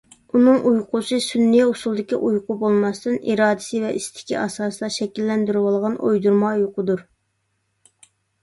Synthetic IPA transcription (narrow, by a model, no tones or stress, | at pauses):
unɨŋʔujqʰʊt͡ʃʰɨsynːijosulˠd̪ɪkʲiʔujqʊbolˠmɑst̪ɨnḭɾɑːd̪ɪsɪvɛʔist̪ʰɪ̥kʲḭʔɑ̰sɑːsɨd̪ɑʃɛkʲilːɛnd̪yɾɪwɑlˠʁɑnʔo̰jd̪uɾmɑjoqʊd̪uɾ